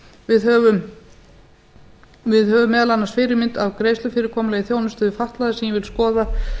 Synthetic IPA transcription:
vɪðhœːvʏm | vɪðhœːvʏmːɛːðalanːasfɪɾɪmɪnt̪avkɾejst̪lʏfɪɾɪɾkʰɔːmʏlɛɣɪθjoːwnʏst̪ʏðɪfaht̪laðɪsɛmjɛvɪlskɔːða

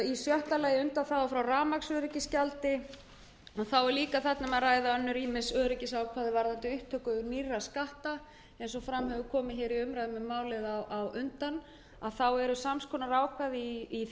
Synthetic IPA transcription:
isjœht̪alaːjɪʏnt̪anθawvafɾawraːmaksœːɾɪcɪscalt̪ɪ | ɔθawɛɾliːkaθat̪namaðraːjðaœnːʏɾiːmɪsœːɾɪcɪsawkʰvaːðɪvaɾðant̪ɪʏht̪ʰœkʏʏɾnirːaskaht̪a | ɛjns̬ɔfɾamhɛvʏkʰɔːmɪçɪːɾiʏmɾajðɪmɛmːaːwlɪðaawʏnt̪an | aðθawɛɾʏsamskʰɔːnaɾaːwkʰvaðiː

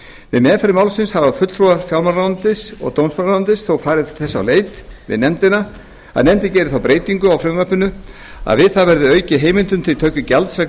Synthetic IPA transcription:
vɪ̰mɛːðfaɾɪmawlsɪnshavafʏt̪fɾuaɾ̥fjawlmanɾant̪ɪsɔ̰ɣt̪ownsmanaant̪ɪsθowfaːɾɪðθɛsːa̰wleːjt̪vɪ̰ðnɛmt̪ɪna | a̰ðnɛmt̪ɪcɛːjɾɪθawpɾeːjt̪iŋkʏawfɾɪmvœpːʏnʏ | a̰ðvɪðθavɛɾðʏœːɥcɪɦeːjmɪlt̪ʏmt̪ʰɪlt̪ʰœɥcʏcalt̪sɾak

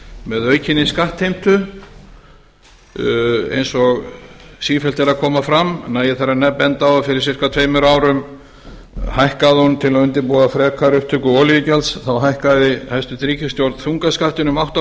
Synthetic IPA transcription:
mɛðœːɥcʰɪnːɪskaht̪hejm̥t̪ʏ | ḛjnsɔɣsiːfɛlt̪ɛɾaðkʰɔːmafɾamnaːjɪθaɾanɛpːɛnt̪aafɪɾɪɾ̥sɪr̥kat̪ʰvejmʏɾaːwɾʏm | hajhkaðɪhɔnt̪ʰɪlaʏnt̪ɪɾpuːafɾɛːkʰaɾʏhp̚t̪ʰʏkʏɔːljɪcalsθawɦajhkaðɪhajst̪ʏt̪ɾiːcɪst̪jowɾt̪θuŋkaskaht̪ɪnʏmawht̪a

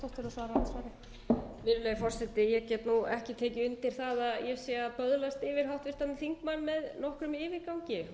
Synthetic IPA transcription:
t̪ɔht̪ɪɾaθaðɾansvaɾɪ | vɪɾleːjfɔrsɛt̪ːɪjɛɣcɛt̪nuɛhcɪt̪ʰeːcɪʏnt̪ɪɾ̥θaðaðjɛsɛːapœðlast̪ɪvɪɾ̥ɦawht̪vɪst̪anɪθiŋkmanːmɛðnɔhkɾʏmɪːvɪɾkawɲcɪ

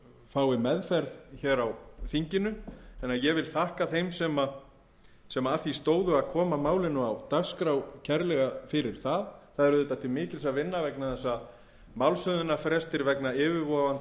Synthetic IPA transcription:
faːwɪmɛðfɛɾðçɛːɾawθiɲcɪnʏɛnːajɛvɪlθahkaθejmsɛma | sɛmaaθist̪oːwðʏaðkʰɔːmamaːwlɪnːʏawt̪askɾawcʰɛɾlɛɣafɪɾɪɾ̥θaðθaðɛɾʏðɛt̪at̪ʰɪlmɪːcɪlsavɪnːavɛknaθɛsːa | mawlsœðʏnafɾɛst̪ɪɾvɛknaɪːvɪɾvɔːvan

